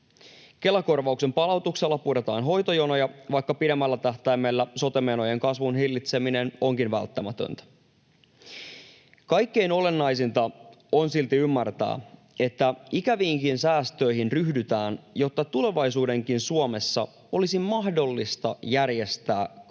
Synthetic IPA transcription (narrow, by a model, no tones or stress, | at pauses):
ke̞læko̞rʋɑukse̞mpɑlɑut̪ukselːɑpuɾet̪ɑːnɦo̞jt̪o̞jono̞jɑʋɑjkːɑpidemːælːæt̪æht̪æjmːelːæso̞t̪emeno̞je̞ŋkɑsʋunɦilːit̪se̞mine̞no̞ŋkinʋæ̰lt̪ːæmæt̪ø̰nt̪æ̥ | kɑjkːe̞jno̞le̞nːɑjsint̪ɑo̞nsilt̪iymːært̪æ̰ː | e̞t̪ːæikæʋiːŋkinsæːst̪ø̞iɦinryhdyt̪æːnjo̞t̪ːɑt̪ule̞ʋɑjsuːde̞ŋkinsuomesːɑ̰ | o̞lisimɑhdo̞lːist̪ɑ̰jærje̞st̪æː